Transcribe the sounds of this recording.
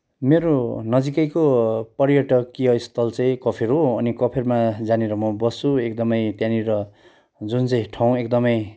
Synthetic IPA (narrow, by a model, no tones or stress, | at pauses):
meɾonʌd͡zikʌjkopʌrjʌʈʌkːiɦʌist̪ʰʌlt͡sʌĩkʌpʰeɾɦoʌnikʌpʰermad͡zaneɾʌmʌbʌsuekd̪ʌmʌjt̪janiɾʌ | d͡zunt͡sʌ̃j̃ʈʰaw̃ekd̪ʌmʌj